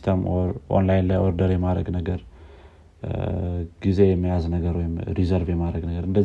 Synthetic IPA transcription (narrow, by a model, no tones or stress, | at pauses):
t̪ʰəmʔo̰nlajnlajʔoɾd̪əɾjɛmaɾəɡnəɡəɾ | ɡ̥ize̞jɛmːijaznəɡəɾwɔjɪmɾizəɾvjɛmaɾəɡnəɡəɾɨnd̪ə